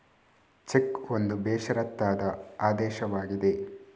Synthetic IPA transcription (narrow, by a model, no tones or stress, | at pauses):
t͡ʃekond̪ubɛːʃɐɾɐt̪ːaːd̪ɐaːd̪ɛːʃɐʋaːɡid̪e̞